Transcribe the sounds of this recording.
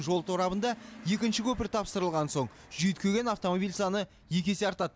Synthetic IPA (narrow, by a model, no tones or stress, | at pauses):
nʒo̞lˠt̪ʰoɾɑbənd̪ɑje̞kʲɪnʃɪkʲʰɵpɪɾt̪ʰɑpsəɾəlˠʁɑnso̞ɴ | ʒ̥ʏjt̪kʰʲɵɡʲe̞naft̪o̞mobilʲsɑnə | je̞kʲe̞se̞ɑɾt̪ɑd̪